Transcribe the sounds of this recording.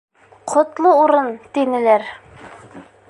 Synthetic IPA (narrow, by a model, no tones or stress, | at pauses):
qʰŏt̪lˠɤuɾɤnt̪inɘ̆læɾ